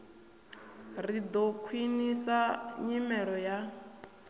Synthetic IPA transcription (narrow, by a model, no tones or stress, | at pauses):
ɾid̪ɔkʰwinisaɲimɛɺɔja